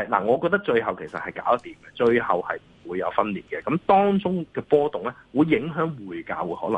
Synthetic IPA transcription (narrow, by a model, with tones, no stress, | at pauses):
jla̰ː˨˩ŋɔː˨˧kɔː˧t̪ɐ˥k̚t͡ʃɵ˧ɥhɐ˨wkʰe˨˩jsɐ˨t̚hɐ˨jka̰ː˨˥wɐ˦˥t̪iː˨˩mkɛ˧t͡ʃɵ˧ɥhɐ˨whɐ˨jm̩˨˩wuː˨˧jːɐ˨˧wfɐ˥nliː˨t̚kɛ˧kɐ˨˥mt̪ɔː˥ŋt͡sʊ˥ŋkɛː˧pɔː˥t̪ʊ˨ŋlɛː˦˥wuː˨˧jːɪ˨˥ŋɦœː˨˥ŋwuː˨˩jka̰ː˨˧wuː˨˧hɔː˨˥lɐ˨˩